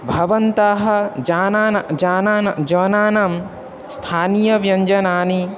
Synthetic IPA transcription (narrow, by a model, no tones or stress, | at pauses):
bʱɐʋɐnt̪aːɦɐ̆d͡ʒaːnaːnɐd͡ʒaːnaːnɐd͡ʒɐːnaːnam | st̪ʰaːnijɐʋjɐɲd͡ʒɐnaːni